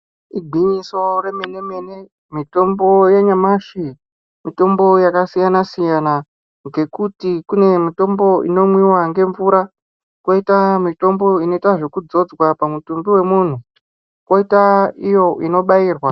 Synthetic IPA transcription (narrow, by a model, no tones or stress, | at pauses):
iɡʱiɲiso̞remene̞me̞ne | mito̞mbo̞jeɲamaʃi | mito̞mbo̞jakasijanasijana | ŋɡe̞kutikune̞mito̞mbo̞ḭno̞mwiwaŋɡe̞ɱvuɾa | kwoitamito̞mbo̞ino̞itaʐo̞kud͡zo̞d͡zwapamutumbiwe̞muːn̤u | kwoitaijo̞ino̞ɓaiːrwa